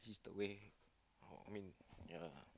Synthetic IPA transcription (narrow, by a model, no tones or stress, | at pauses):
sisd̪əwe | o̰a̰mĩnja